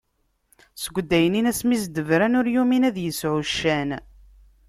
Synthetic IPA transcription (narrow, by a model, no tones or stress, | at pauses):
səɡʷːd̪ːæjəninæsmisd̪əvɾænʊɾjuminæðjəsʕʊʃːæn